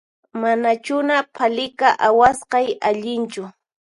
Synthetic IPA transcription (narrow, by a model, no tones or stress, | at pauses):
manat͡ʃʊnapʰalɪkaʔawasqɑjaʎɪnt͡ʃʊ